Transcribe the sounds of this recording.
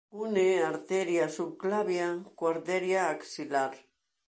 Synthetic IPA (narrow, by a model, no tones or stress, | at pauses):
uneaɾt̪eɾjasuklaβjakwaɾðeɾjaːksilaɾ